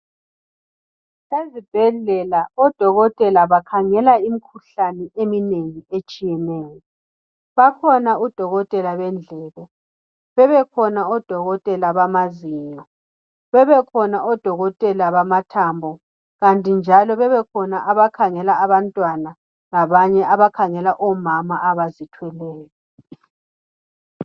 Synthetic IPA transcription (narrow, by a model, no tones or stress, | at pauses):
sezib̥ʱɛɮɛlaɔd̥ʱɔɣɔtʼɛlaβakʰaŋɛlaimikʰuɬanɛʔemineŋiet͡ʃʼijɛnɛːjɔ | βakʰɔnaud̥ʱɔɣɔtʼɛlaβɛnd͡ɮʱɛːɣɔ | βɛβɛkʰɔnaɔd̥ʱɔɣɔtʼɛlaβamaziːɲɔ | βɛβɛkʰɔnaʔɔd̥ʱɔɣɔtʼɛlaβamatʰambʱɔ | ɣantʼind͡ʒʱalɔβɛβɛkʰɔnaʔaβakʰaŋɛlaːβantʼwana | laβaɲɛʔaβakʰaŋɛlaʔɔmamaʔaβazitʰwɛlɛːjɔ